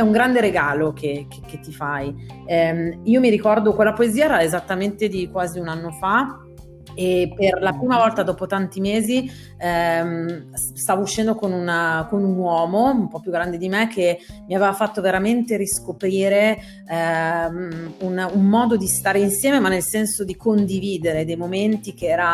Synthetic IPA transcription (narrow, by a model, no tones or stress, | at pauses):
ɛuŋɡɾand̪eɾeɡaːlok̟ek̟ekːet̪ːifajɛiːomiɾikɔrd̪okwelːapoeziːaɛɾaezat̪ːament̪ed̪ikwaːziunanːofa | eperlapɾiːmavɔlt̪ad̪ɔːpot̪ant̪imeːzi | m | st̪aːvouʃːɛnd̪okonunkonunwɔːmoumpɔpjuɡɾand̪ed̪imek̟ʰːemiaveːvafat̪ːoveɾament̪eɾiskopɾiːɾe | unumːɔːd̪od̪ist̪aːɾeinsjɛːmemanːelsɛnsod̪ikond̪iviːd̪eɾed̪ejmoment̪ik̟eɛːɾa